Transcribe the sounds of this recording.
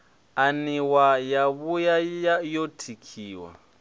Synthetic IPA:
aniwajaβujajajotʰikʰiːwa̰

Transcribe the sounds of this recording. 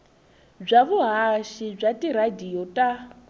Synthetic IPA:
b͡ʐʷaβuɦaʃib͡ʐʷatiɾadijɔtʼa

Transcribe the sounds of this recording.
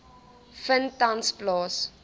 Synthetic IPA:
fəntansplɑːs

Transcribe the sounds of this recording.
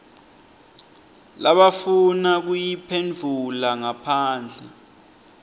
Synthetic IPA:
laɓafunak̬ujipʰend͡ɮʱulaŋapʰaːnd͡ɮʱɛ̰

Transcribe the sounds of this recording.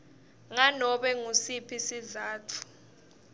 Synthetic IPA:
ŋanɔɓɛŋusipʰisizaːtʰu̥

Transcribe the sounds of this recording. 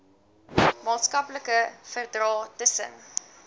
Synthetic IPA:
mɑːtskɐpləkəfərdrɑːtəsə̰n

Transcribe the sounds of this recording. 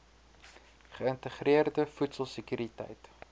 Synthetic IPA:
χəəntəχriərdəfutsəlˠsəkyɾitɛ̰jt

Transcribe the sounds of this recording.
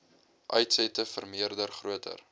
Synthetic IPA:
ʔœjtsɛtəfərmiərdərχruətʰə̰r

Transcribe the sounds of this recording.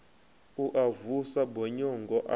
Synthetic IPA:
uʔavusabɔɲɔŋɡɔʔa

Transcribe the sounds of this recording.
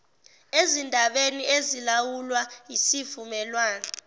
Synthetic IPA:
ezindʱaɓeniezilawulwajisivumɛlwaːna

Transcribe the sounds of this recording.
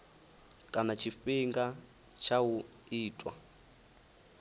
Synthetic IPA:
kʼanat͡ʃʰiɸiŋɡa | t͡ʃʰawu | iːtʼwa̰

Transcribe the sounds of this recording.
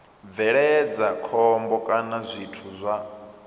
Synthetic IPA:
b̪vɛɺɛd͡zakʰɔmbɔkʼanazʷitʰuzʷa

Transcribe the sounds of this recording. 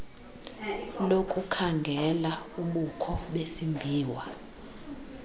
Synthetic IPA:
lokʼukʰaŋɡʱɛlauɓukʰɔɓesimbʱiːwa

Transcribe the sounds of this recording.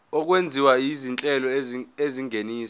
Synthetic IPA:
ɔk̬wend͡zʱiwajizint͡ɬʼɛlɔeziŋʱeniːs

